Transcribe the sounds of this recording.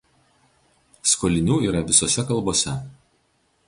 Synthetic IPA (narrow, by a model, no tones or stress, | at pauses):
skoːlʲɪnʲuːiːɾɐʋʲɪsoːsʲɛkɐlˠboːsʲɛ